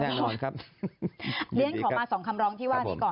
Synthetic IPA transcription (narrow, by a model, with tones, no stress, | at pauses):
nɛː˥˩nɔː˧nkʰa˦˥p̚ | li˧˦ənkʰɔː˩˦˧maː˧sɔː˩˦ŋkʰa˧mɾɔː˧˥ŋt̪ʰiː˥˩waː˧˥˩ni˦˥˩kɔː˨˩